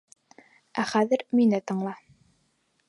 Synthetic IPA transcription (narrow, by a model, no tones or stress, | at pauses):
æχæðɘɾminɘt̪ɤ̆ɴlˠɑ